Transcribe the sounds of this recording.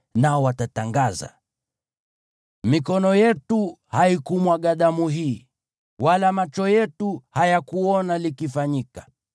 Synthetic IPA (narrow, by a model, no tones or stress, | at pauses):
naɔwatataŋɡaza̰ | mikɔnɔjɛtuhaikumwaɠaɗamuɦiː | walamat͡ʃɔjɛtuhajakuɔnalikifaɲikḁ